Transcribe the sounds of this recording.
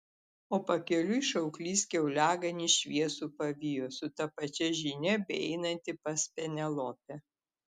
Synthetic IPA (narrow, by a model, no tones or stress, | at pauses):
oːpɐkʲɛlʲʊɪʃɐʊklʲiːskʲɛʊlʲæːɡɐnʲiʃʲʋʲiɛsuːpɐʋʲɪjoːsʊt̪ɐpɐt͡ʃʲɛʒʲɪnʲɛbʲɛɛɪnɐnʲt̪ʲɪpɐsʲpʲɛnʲɛlˠoːpʲɛ